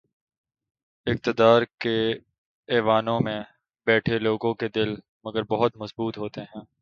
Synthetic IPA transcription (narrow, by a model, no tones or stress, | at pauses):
ɪk̚t̪əd̪aːɾke | ɛːʋaːnõmẽ | bɛːʈʰeloːɡõked̪ɪl | mɐɡəɾbɐɦʊt̪mɐzbuːt̪ɦoːt̪eɦɛ̃ː